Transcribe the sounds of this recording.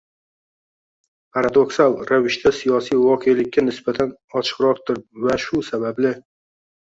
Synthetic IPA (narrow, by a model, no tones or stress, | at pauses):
pʰaɾad̪o̞ksalɾavɪʃt̪ʰasijɒsijwɒqʰelɪkʲːanɪsbat̪ʰanɒt͡ʃʰɨ̥qɾɒɾt̪ɪɾɪpvaʃʊsabablɪ